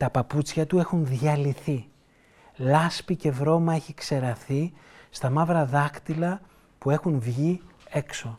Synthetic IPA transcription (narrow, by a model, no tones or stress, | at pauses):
t̪ɐpɐput͡sçɐt̪ue̞xunðʝɐliθi | lɐspice̞vɾo̞mɐe̞çikse̞ɾɐθist̪ɐmɐvɾɐðɐkt̪ilɐ | pue̞xunvʝie̞kso̞